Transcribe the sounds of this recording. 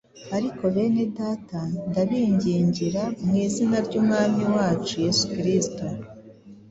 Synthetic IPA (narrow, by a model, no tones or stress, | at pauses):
aɾiko̞βe̞ːne̞daːtandaβiːɲɟiːɲɟiɾamŋiːzinaɾɟuːmŋaːmiwaːt͡ʃuje̞sukiɾisto